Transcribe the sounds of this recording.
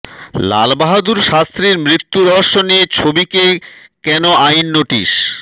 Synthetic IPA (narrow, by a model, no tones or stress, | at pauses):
la̰lbaɦad̪uɾʃast̪ɾiɾmɾit̪ːuɾɔɦoʃːonijet͡ɕʰobikekɛnoajnːoʈḭʃ